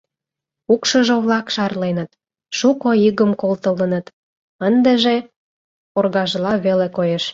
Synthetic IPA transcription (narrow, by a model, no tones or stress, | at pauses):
ukʃəʒoβlɑkʃɑrlenət̪ | ʃukoiɣəmkolt̪ə̆lənət̪ | ənd̪ĕʒe | orɣɑʒlɑβelekojeʃ